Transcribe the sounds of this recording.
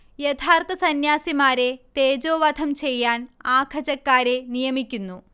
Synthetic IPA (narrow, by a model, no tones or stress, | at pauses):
jet̪ʰaːrt̪ɐsɐnjaːsimaːɾe̞t̪e̞ːd͡ʑoːʋɐd̪ʰʱɐmt͡ɕe̞jːaːnaːkʰɐd͡ʑɐkːaːɾe̞nijɐmikʲːunːu